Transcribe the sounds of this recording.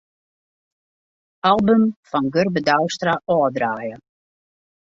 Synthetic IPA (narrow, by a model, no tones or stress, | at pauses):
alˠbəmfɔnɡørbədœwstraʔɔːdraːjə